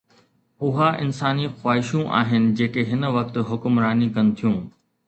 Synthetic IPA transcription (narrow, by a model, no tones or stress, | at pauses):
ʊɦaʔɪ̰nsaːnixwaːɦɪʃũʔa̰ːɦɪnɪ̆d͡ʑeːkeɦɪnʋɐk̚t̪ɦʊkʊmɾaːnikɐn̆t̪ʰijũː